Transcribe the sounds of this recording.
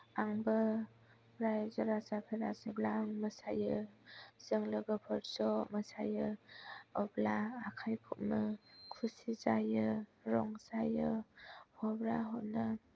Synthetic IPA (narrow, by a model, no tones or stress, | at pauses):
aŋbɯ | bɾajzɔɾasapʰeɾaseblaŋməsajɯ | z̥ɯŋlɯɡɯpʰɯɾsɔməsajɯ | ɔblaːkʰajpʰut̚nɯkʰusizajɯɾɔŋsajɯpʰɔbɾaɦɔnɯ